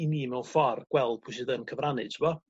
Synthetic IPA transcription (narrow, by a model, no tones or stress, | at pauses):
iniːmɛwnfɔrɡ̥wɛlˠd̥̚pʰʊs̬ɨðənkʰəvranɨ̰d̥tʰəmɔ